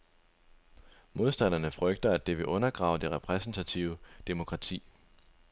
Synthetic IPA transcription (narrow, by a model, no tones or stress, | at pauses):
mo̝ð̞ˠsd̥æn̰ɐnəfʁœɡ̥̚d̥ɐæd̥e̝ʋe̝ʔɔ̽nɐɡ̥ʁɑ̈ʊd̥e̝ʁɛpʰʁɛsn̩t͡sʰæt͡sʰiʊəd̥emo̝kʰʁɑ̈t͡sʰḭː